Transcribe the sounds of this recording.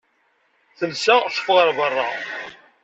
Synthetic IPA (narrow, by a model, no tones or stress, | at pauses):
θəlsaʃə̥fʁəɾˤbərˤːɑ